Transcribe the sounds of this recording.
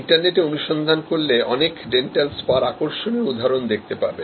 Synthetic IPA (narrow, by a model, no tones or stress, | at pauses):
ɳʈaɾneʈeonuʃɔnd̪ʱankoɾleɔnekɖeɳʈelspaɾakoɾʃoneud̪ʱːaɾond̪ek̚ʰt̪epa̰ɾbe